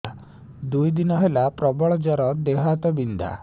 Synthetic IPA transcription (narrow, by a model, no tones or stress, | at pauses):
d̪ujd̪inaɦɛlapɾɔbɔɭd͡ʑɔɾɔd̪eɦat̪əbind̪a̰